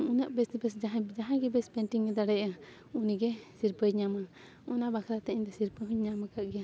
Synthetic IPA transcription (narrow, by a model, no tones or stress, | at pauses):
unəʔbɛsbɛsd͡ʒaɦd͡ʒaɦãɡɛbɛspɛnʈiŋɡɛd̪aɽɛa | uniɡɛsiɾpəɲama | ɔnabakʰɾat̪ɛiɲd̪ɛsiɾpəɦuɲɲamakaʔɡɛja